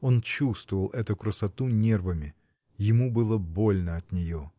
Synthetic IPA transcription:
o̞nt͡ɕust̪vəvəlˠɛt̪ʊkɾəsɐt̪unʲervəmʲɪ | jɪmubɨlˠəbo̞lʲnəɐt̪nʲɪjo

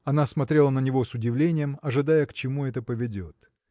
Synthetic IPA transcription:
ɐnasmɐt̪ɾʲe̞lˠənənʲɪvo̞sʊdʲɪvlʲenʲɪjəmɐʐɨd̪ajəkt͡ɕɪmuɛt̪əpəvʲɪdʲo̞t̪

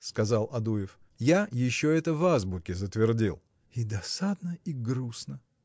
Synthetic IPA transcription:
skɐzalˠɐd̪uɪf | jajɪɕːoɛt̪əvazbʊkʲɪzət̪vʲɪrdʲilˠ | id̪ɐsad̪nəiɡɾusnə

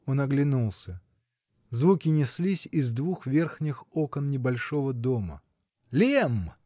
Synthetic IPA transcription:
o̞nɐɡlʲɪnulˠsʲə | zvukʲɪnʲɪsʲlʲisʲɪzd̪vuxvʲe̞rxnʲɪxokənnʲɪbɐlʲʂo̞vəd̪o̞mə̰ | lʲem

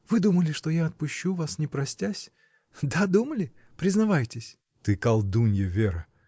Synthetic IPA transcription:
vɨd̪uməlʲɪʂt̪ojaɐt̪̚pʊɕːuvasnʲɪpɾɐsʲtʲasʲ | d̪ad̪uməlʲɪ | pɾʲɪznɐvajtʲɪsʲ | t̪ɨkalˠd̪unʲjəvʲeɾə

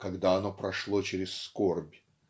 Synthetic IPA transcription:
kɐɡd̪aɐno̞pɾɐʂlˠo̞t͡ɕɪɾʲɪsskorbʲ

